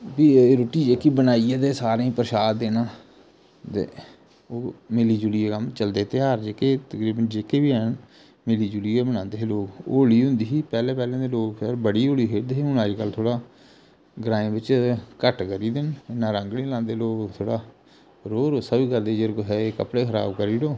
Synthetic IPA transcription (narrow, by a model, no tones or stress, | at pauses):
biːɾoːʈiːd͡ʒeːkiːbənaːieːd̪eːsaːɾẽĩːpəɾʃaːd̪d̪eːnaː | t̪ḛː | oːmɪliːd͡ʒʊlijeːkəmt͡ʃəld̪eːt̪eːɦaːɾd͡ʒeːkeːt̪əkɾiːbənd͡ʒeːkeːʋiːɛːn | meliːd͡ʒʊliːeːbəñãːnd̪eːɦloːkoːliːɦʊ̃nd̪iːɦiːpɛːleːpɛːlẽːd̪eːloːkpʰɛɾbəɽiːoːliːɦeːd̪eɦiːʊnaːd͡ʒkəlt̪ʰoːɽaː | ɡɾãːẽːbɪt͡ʃkəʈkəɾiːd̪ɪnɪnːãːɾə̃ŋɡɽẽːlãːnd̪eːloːkt̪ʰoːɽaː | ɾoːɾoːsəbiːkəɾd̪eːd͡ʒeɾkɦɛeːkəpɽeːkʰəɾa̰ːbkəɾiːɽoː